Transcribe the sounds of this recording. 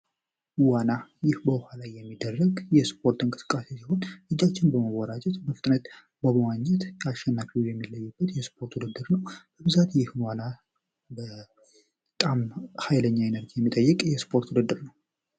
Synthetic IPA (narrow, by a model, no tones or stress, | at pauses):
wanajɪhbəwhalajːɛmːid̪ːərːəɡjɛspʰo̞ɾt̪ɨnŋkʼɨsɨ̥kʼːase̞siho̞nlɨd͡ʒːat͡ʃːɪnbəmawɔɾad͡ʒɛt̪məft̪ʼnət̪ | bəβəwaɲːɛt̪aʃɛnːafijɛmːilːəjːubːət̪jɛspʰo̞ɾt̪wud̪ɨd̪ːɨɾnəwb̥əbɨzat̪jɪhnwana | bə | t̪ʼamhajləɲːaenəɾd͡ʒijɛmːit̪ʼəjːɨkʼjɛspʰo̞ɾt̪wud̪ɨd̪ːɨɾnəw